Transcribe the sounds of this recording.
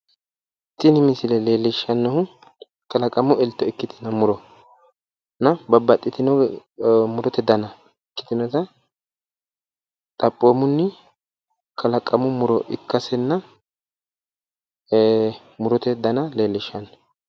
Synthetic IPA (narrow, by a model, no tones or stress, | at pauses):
t̪ːɪnɪmɪsɪlɛle̞ːlːɪʃːɐnːɐʊ | kɐlɐkʼːɐmʊɛlt̪ːɔɛkːɪt̪ʰɪnɐmʊɾɔ | nɐbɐbːɐt̪ʼːɪt̪ɪnɔ | mʊɾɔt̪ɛd̪ɐnɐ | ɛkːɪ̥t̪ɪnɔt̪ɐ | t̪ʼɐpʼːoːmʊnːɪ | kʰɐlɐkʼːɐmʊmʊɾɔʔɪkːɐsɛnːɐ | mʊɾɔt̪ɛd̪ɐnɐleːlːɪʃɐnːɔ